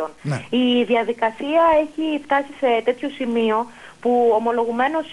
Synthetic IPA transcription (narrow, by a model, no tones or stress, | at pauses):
oniðiɐðikɐsiɐe̞çift̪ɐsise̞t̪e̞t̪ço̞simio̞ | puomo̞lo̞ɣume̞no̞s